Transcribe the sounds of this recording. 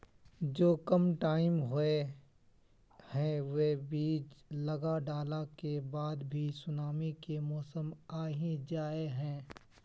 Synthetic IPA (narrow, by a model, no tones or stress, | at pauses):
d͡ʒoːkəmʈaːɪmɦʊe | hɛ̃ʋebiːt͡ʃlɐɡaɖaːlakebaːd̪bʱisʊnaːmikemɔːsəmaːɦĩd͡ʒaːeɦɛ̃ː